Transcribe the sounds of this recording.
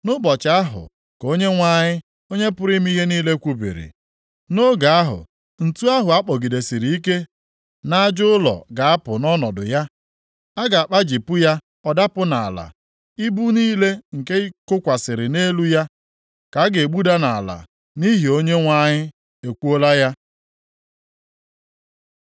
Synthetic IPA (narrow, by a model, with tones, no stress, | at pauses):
nʊ˦bɔ˨t͡ʃa˦ɦʊ̰˨ | ko˦ɲe˦ŋʷa˦ɲɪ˦ | o˦ɲe˦pʊ˦ɾi˦m˦i˦ɦe˦niː˦le˦kʷu˦bḭ˨ɾḭ˨ | no˦ɡa˨a˦ɦʊ̰˨ | n̩˨tu˦a˦ɦʊ˨a˦k͡pɔ˨ɡi˨de˨si˨ɾi˨i˦k̬e˦ | na˦d͡ʒʊ˦ʊ˦lɔ̰˨ɡa˨a˦pʊ˨nɔ˦nɔ˨dʊ̰˨ja˦ | a˦ɡa˨a˨k͡pa˦d͡ʒi˨pʊ˦ja˦ | ɔ˦da˦pʊ˦na˨a̰˨la̰˨ | i˦bu˦niː˦le˦ŋ̩˨ke˦i˦kʊ˦kʷa˨sɪ˨ɾɪ˨ne˦lu˦ja˦ | ka˨˦ɡe˨ɡ͡bu˦da˦na˨a˨la̰˨ | ni˦ɦi˨o˦ɲe˦ŋʷa˦ɲɪ˦ | e˨kʷu˦o˦la˦ja˦